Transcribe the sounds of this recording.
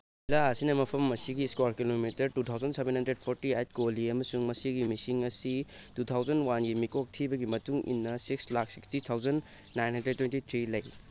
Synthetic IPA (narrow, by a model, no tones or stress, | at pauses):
ilaɐsinɐmɐpʰɐmːɐsiɡiskwaɾkilomitɐɾtut̪ʰawd͡ʒɐnsebenhɐndɾed̚pʰoɾtiajt̚koliɐmɐsuŋmɐsiɡimisiŋɐsi | tut̪ʰawzd͡ʒɐnwanɡimikok̚tʰibɐɡimɐtuŋḭnːɐsikslak̚sikstit̪ʰawd͡ʒɐnː | ajnhɐndɾed̚tːwentit̪ʰɾilɐj